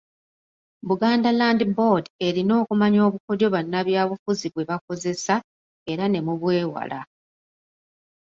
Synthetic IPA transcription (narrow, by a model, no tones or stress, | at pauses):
βuɡaːndalaːndibo̞de̞ɾino̞ːkumaɲo̞ːβuko̞djo̞βanːaβjaːβufuziβwe̞βako̞ze̞sa | e̞ɾane̞muβwe̞ːwa̰la